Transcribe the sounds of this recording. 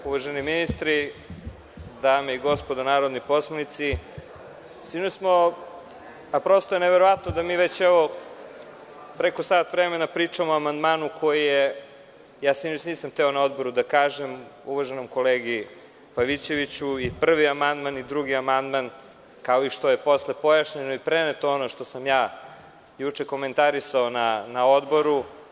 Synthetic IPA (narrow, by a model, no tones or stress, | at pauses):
uʋaʒeniminist̪ɾi | d̪aːmeiɡo̞spod̪anaːɾod̪nipo̞smonit̪si | sinosmo | apɾo̞st̪oeneʋeɾo̞ʋat̪nod̪amiːʋet͡ɕeʋo̞ | pɾeko̞saːt̪vɾemenapɾiːt͡ʂamoamand̪maːnukʰo̞jije | jaːseet͡ɕniːsamt̪ɛonao̞d̪bo̞ɾud̪akaːʒemuʋaʒenomko̞leːɡi | paʋit͡ɕe̞ʋit͡ɕuipr̩ʋiamand̪manid̪ɾuɡiamand̪man | kao̞iʃt̪oje̞po̞slepo̞jaʃɲenoipɾenet̪oonoʃt̪o̞samjaː | jut͡ʂeko̞ment̪aɾisaonanao̞d̪bo̞ɾu